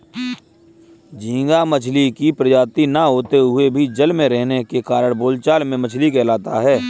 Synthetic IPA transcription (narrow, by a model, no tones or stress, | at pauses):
d͡ʒĩːŋ̆ɡamət͡ʃʰlikipɾəd͡ʒaːt̪inaɦoːt̪eɦʊebʱid͡ʒəlmẽɾɛɦnekekaːɾəɽ̃boːlt͡ʃaːlmẽmət͡ʃʰlikɛːlaːt̪aɦɛː